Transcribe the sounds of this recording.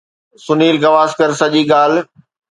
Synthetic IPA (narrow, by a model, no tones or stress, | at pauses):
sʊniːlkɐʋaːskɐɾsɐʄiːɠaːl